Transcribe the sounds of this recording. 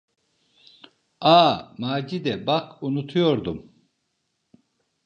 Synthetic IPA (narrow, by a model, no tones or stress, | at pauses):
aːmaːd͡ʒid̪ɛbakʰunut̪ʰujo̞ɾd̪um